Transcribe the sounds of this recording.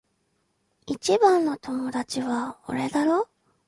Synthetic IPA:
it͡ɕibãnːo̞t̪o̞mo̞d̪at͡ɕiβao̰ɾed̪aɾo̞ː

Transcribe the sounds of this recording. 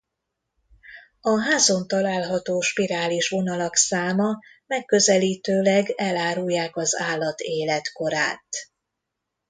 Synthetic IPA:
ɒɦaːzo̞nt̪ɒlaːlɦɒt̪oːʃpiɾaːliʃʋo̞nɒlɒksaːmɒ | mɛkːø̞zɛliːt̪øːlɛɡɛlaːɾujːaːkɒzaːlːɒt̪eːlɛt̪ko̞ɾa̰ːt̪

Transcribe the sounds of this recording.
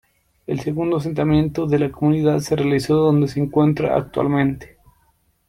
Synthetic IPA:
else̞ɣund̪os̬e̞nt̪amjẽ̞nt̪oðe̞lakomuniðaðse̞realiso̞ðo̞nd̪e̞seːŋkwe̞nt̪ɾa̰a̰k̚t̪wa̰lmẽnt̪e̥

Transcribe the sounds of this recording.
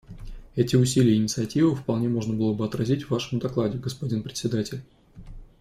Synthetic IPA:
ɛtʲɪʊs̬ʲilʲɪjəɪnʲɪt̪sɨɐtʲivɨfpɐlˠnʲe̞mo̞ʐnəbɨlˠəbɨɐt̪ɾɐzʲitʲvːaʂəmʊd̪ɐklˠadʲɪɡəspɐdʲinpɾʲɪt̪ʲsʲɪd̪atʲɪlʲ

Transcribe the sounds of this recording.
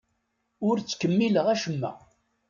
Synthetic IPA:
ʊɾt͡sːkəmːiləʁæʃəmːæ̰

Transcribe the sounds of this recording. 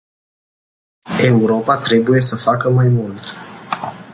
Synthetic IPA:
e̞uɾo̞pat̪ɾe̞buje̞səfakəmajmult̪

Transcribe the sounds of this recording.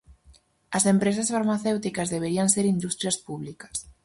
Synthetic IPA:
ɐsempɾesɐsfaɾmaθewt̪ikɐzðeβeɾiɐnseɾind̪ust̪ɾjɐspuβlikɐ̥s

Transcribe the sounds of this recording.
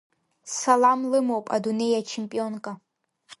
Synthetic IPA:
salamlɨmowpʼa̰dune̞jat͡ʃʰempʼio̞nkʼa

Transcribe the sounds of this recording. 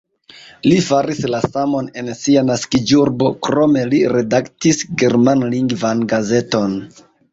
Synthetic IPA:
lifaɾislasamo̞ne̞nsianaskid͡ʒuɾbo̞kɾo̞me̞liɾe̞daktisɡe̞ɾmanliŋɡvanɡaze̞to̞n

